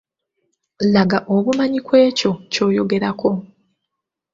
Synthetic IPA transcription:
laɡaʔoβumaɲikwe̞ːco̞co̞ːjo̞ɡe̞ɾakʰo̞

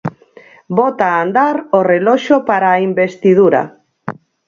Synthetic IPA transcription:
bɔt̪aːnd̪aɾorelɔʃopaɾaːimbest̪ið̞uɾa̰

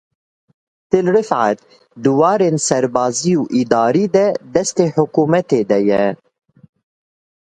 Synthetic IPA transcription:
t̪ɨlɾɨfʕa̰t̪̚ | d̪ɨwɑːɾeːnsɛɾbɑːzijuːʔid̪ɑːɾiːd̪ɛd̪ɛst̪eːħʊkuːmɛt̪eːd̪ɛjɛ

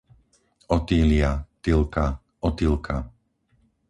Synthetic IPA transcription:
ɔt̪iːliat̪ilˠka | ɔt̪ilˠkʰa

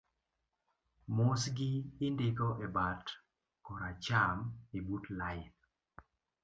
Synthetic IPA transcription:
mosɡɪːndɪɡɔʔebat | kɔɾat͡ʃamibutlaɪn

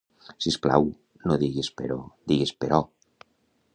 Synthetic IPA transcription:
sispla̰w | noðiɣespḛɾod̪iɣespeɾɔ

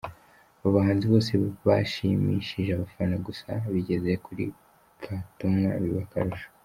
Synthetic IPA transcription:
βuβaɦaːnziβo̞ːseβaʃimḭʃiʒeaβafanaɡusaβiɟe̞zekʰuɾḭ | fatumŋa̰βiβaka̰ɾuʒo̥

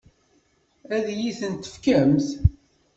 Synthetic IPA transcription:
æðjiθənt̪ə̥fkæmθ

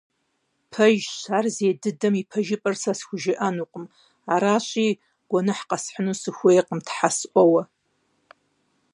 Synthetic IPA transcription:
pʰɐʒʃarzeːdɨdɐmipʰɐʒɪpʼɨrsasɡʷʒɪʔanuqʼəm | aɾaʃʷʼi | ɡ̥ʷanɨħqʼasħʷnusɨxʷʊeqʼəmtʰħasʔʷowa

